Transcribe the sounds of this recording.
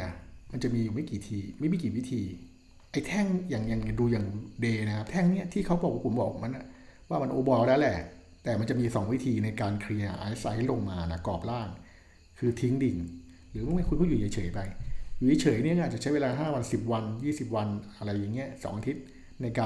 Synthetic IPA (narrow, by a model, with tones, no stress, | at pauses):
ma˧nt͡ɕa˨˩miː˧juː˨˩ma˥˩jkiː˨˩t̪ʰiː˧ma˥˩jmi˧˩kiː˨˩wi˦˥t̪ʰiː˧ | ʔa˧jt̪ʰɛ˥˩ŋjaː˨˩ŋjaː˨˩ŋ˨˩duː˧jaː˨˩ŋdeː˧na˦˥kʰa˦˥p̚t̪ʰɛ˥˩ŋni˦˥ɐt̪ʰiː˥˩kʰa˦˥wbɔː˨˩k̚wa˧˩kʰu˨˩˦nbɔː˨˩k̚ma˦nʔa˨˩ | waː˥˩ma˧nʔoː˧bɔː˧lɛː˦˥wlɛ˨˩ | t̪ɛː˨˩ma˧nt͡ɕa˨˩miː˧sɔː˩˦ŋwi˦˥t̪ʰiː˧na˧jkaː˧nkʰɾi˧a˧ʔa̰ː˧ʔe˦˥sa˧jt̪ʰːlo˧ŋmaː˧na˧˩kɔː˨˩p̚laː˥˩ŋ | kʰɯː˧t̪ʰi˦˥ŋdi˨˧ŋ | ɾɯː˩˦m˥˩ma˥˩kʰu˧npʰuː˥˩juː˨˩ja˨˩˦t͡ɕʰɤː˩˦jpa˧jjuː˨˩ja˧˦t͡ɕʰɤː˨˩˦jni˦˥˩kːt̚t͡ɕa˨˩t͡ɕʰjweː˧laː˧ɦaː˥˩wa˧nsi˨˩p̚wa˧njiː˥˩si˨˩p̚wa˧nʔa˧ɾa˧jːaː˨˩ŋːi˦˥ɐsɔ̰ː˩˦ŋʔa˧t̪ʰi˦˥t̪̚ | na˧jkaː˧